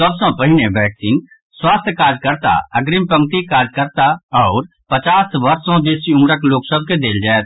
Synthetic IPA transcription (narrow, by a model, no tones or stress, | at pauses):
səbsõpəɦɪneʋɛːksiːn | swaːst̪ʰjkaːd͡ʒkəɾt̪a̰ɐɡɾɪmpə̃ŋ̚t̪ikaːd͡ʒkəɾt̪aɔːɾ | pət͡ʃaːsʋəɾsõd̪eːsiʊ̃mɾəkloːksəb̚ʱked̪eːld͡ʒaːet̪